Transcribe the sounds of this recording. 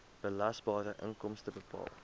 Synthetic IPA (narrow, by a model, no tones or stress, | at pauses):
b̥əlɐsbɑːɾəʔəŋkɔmstəbəpɑ̰ːlˠ